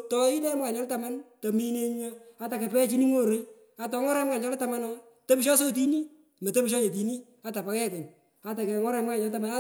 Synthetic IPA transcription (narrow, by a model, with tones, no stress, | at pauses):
tɔ˨ɪ˦dɛ˦mka˨ɲɔ˦lta˨ma˦nto˨mi˦ne˦ɲa˦a˨ta˨ke˨pɛ˦t͡ʃi˦ni˦ŋo˦ɾo˨˦j | a˨tɔ˨˦ŋɔ˦ɾɛ˦mka˨ɲɔ˦lta˨ma˦nɔ˦ | to˦pʃɔ˦s̬o˦t̬i˦ni˦ | me˨te˦pi˦ʃ̬ɔ˦ɲe˨t̬i˨ni˦ | a˨ta˨pa˨kɛ˦kɪ˨ɲ | a˨ta˨kɛ˨ŋɔ˦ɾɛ˧˦m˦ka˨ɲɔ˦lt̬a˦ma˨n˦